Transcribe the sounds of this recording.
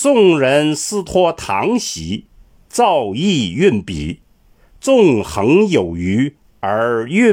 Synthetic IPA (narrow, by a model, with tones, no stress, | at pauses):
t͡sʊ˥˩ŋɻə˧˥nsɹ̩˥t̪ʰwɔ˥t̪ʰɑ̰˧˥ŋɕḭ˧˥ | t͡sɑ˥˧ʊi˥˧y˥˩npḭ˨˩˦ | t͡sʊ˥˩ŋxɤ˧˥ŋjo˨˩ʊy˧˥ | ə˞˧˥y˥˧